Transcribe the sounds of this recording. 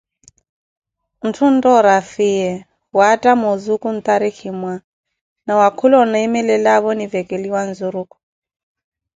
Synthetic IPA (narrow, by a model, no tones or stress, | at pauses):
n̩tʰun̩tʼɔɾafijɛ | watʼamozukʼun̩t̪ʼaɾikʰimwa | nawakʰulɔnaimɛlɛlaβɔnivɛkʼeliwanzuɾuːkʼɔ̥